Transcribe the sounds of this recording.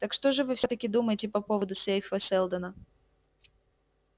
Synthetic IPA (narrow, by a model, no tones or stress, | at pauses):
t̪ɐkʂt̪oʐɨvɨfsʲot̪əkʲɪd̪uməjɪtʲɪpɐpovəd̪ʊsʲejfəsʲɛlˠd̪ənə